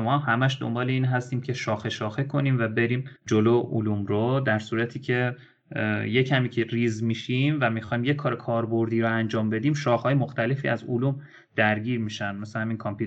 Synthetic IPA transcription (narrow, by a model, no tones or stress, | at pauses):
mɒːhæmæʃd̪o̰mbɒːle̞iːnɦæst̪iːmcʰe̞ʃɒːxe̞ʃɒːxekʰo̞niːmvæbe̞ɾiːmd͡ʒoloːʔuluːmɾod̪æɾsuːɾæt̪ʰiːcʰe̞ | je̞cʰæmiːcʰeɾiːzmiʃimvæmixɒːjimjekʰːɒːɾekʰɒːɾbo̞ɾd̪iːɾoænd͡ʒɒːmbe̞d̪iːmʃɒːxhɒːjemoxt̪ʰæle̞fiːæzoluːm | d̪̥æɾɟiːɾmiʃænd̪mesehæmiːnkʰɒmpʰu